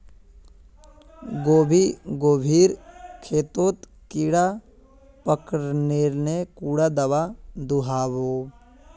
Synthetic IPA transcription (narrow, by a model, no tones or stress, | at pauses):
ɡoːbʱiɡoːbʱiːɾkʰeːt̪oːt̪ | kiɽa | pəkɾneːɾnekuːɽad̪ɐʋad̪uɦaːʋoː